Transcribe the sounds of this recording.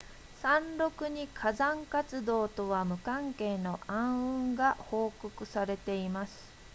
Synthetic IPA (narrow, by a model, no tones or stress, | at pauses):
sãnɾo̞kɯ̟ɲ̟ikʰazãŋkat͡sɨd̪o̞ːt̪o̞βamɯ̟kãŋke̞ːno̞ʔãɰ̃ɯ̟̃ŋɡaho̞ːkokɯ̟saɾe̞t̪e̞imasɨ̥